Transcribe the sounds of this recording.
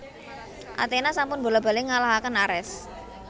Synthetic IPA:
ʔa̰t̪enasampʊnbo̤lab̥a̤lɪŋalaɦakənaɾɛs

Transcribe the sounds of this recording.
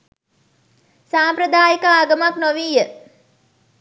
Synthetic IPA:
saːmpɾəd̪aːjikaaːɡəmaknoʋiːjə

